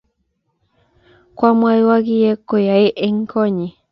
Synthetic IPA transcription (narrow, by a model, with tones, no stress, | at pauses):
kʷa˦mwa˧iwa˦ɡi˦je˦ko˨ja˨e˦ʔe˦ŋko˦ɲi˨